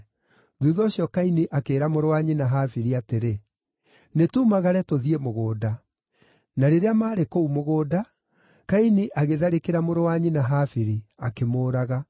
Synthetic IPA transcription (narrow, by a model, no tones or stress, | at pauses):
ðuðɔːɕiɔkainiʔakeːɾamoɾowaɲinaɦafiɾiateɾe | netumaɣaɾɛtoðiemoɣoːda | naɾeɾeamaːɾekoumoɣoːda | kainiʔaɣeðaɾekeɾamoɾowaɲinaɦafiɾiakemoːɾaɣa